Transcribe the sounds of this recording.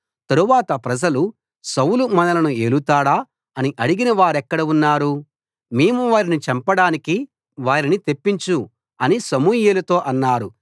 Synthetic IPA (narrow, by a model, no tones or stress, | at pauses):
t̪ɐɾuʋaːt̪ɐpɾɐd͡ʒɐlu | sɐwlumɐnɐlɐnuelut̪aːɽaː | ɐniʔɐɽiɡinɐʋaːɾɛkːɐɽɐunːaːɾu | meːmuʋaːɾinit͡ʃɛmpɐɽaːniki | ʋaːɾinit̪e̞pːiɲt͡ʃu | ɐnisɐmuːjeːlɐt̪o̞ːʔɐnːaːɾu